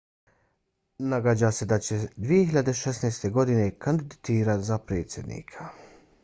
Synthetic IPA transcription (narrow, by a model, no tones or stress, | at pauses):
naɡad͡ʑase̞d̪at͡ɕe̞d̪ʋijehiʎad̪eʃesnejst̪eɡo̞d̪ine̞kand̪id̪it̪iːɾat̪zapɾeːt̪sje̞d̪nḭːkʰḁ